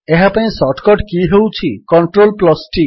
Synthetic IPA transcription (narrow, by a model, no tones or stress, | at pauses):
eɦapaj̃sɔʈkɔʈkiɦewt͡ʃʰikɔɳʈɾolplɔsʈi